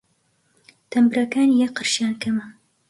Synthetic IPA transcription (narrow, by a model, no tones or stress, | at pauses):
t̪ʰɐmbɨɾɐkaːnijɛqɨɾʃjaːnkʰɐmɐ